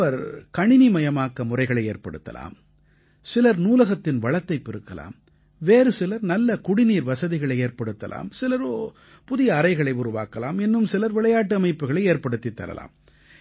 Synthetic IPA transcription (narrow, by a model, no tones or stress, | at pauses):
ʋɐɾkɐɳɪnimɐjɐmaːkːɐmʊrɐɪɣɐɭɐɪeːɾpɐɽɯt̪ːɐ̰la̰ːm | sɪlɐɾnuːlɐɣɐt̪ːɪnʋɐɭɐt̪ːɐɪpːɪɾɯkːɐla̰ːm | ʋeːɾɯsɪlɐɾnɐlːɐkʊɽɪniːɾʋɐsɐðɪɣɐɭɐɪeːɾpɐɽɯt̪ːɐ̰la̰ːmsɪlɐɾoː | pʊðɪjɐːɾɐɪɣɐɭɐɪʊɾʊʋa̰ːkɐla̰ːmɛnːɯmsɪlɐɾʋɪɭɐjaːʈ̬ːɯɐmɐɪpːɯɣɐɭɐɪeːɾpɐɽɯt̪ːit̪ːɐ̰lɐ̰la̰ːm